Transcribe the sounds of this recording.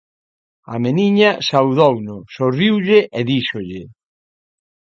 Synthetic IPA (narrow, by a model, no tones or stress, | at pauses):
a̰meniɲɐsawðownʊsoriwʎɪʔeðiʃoʎɪ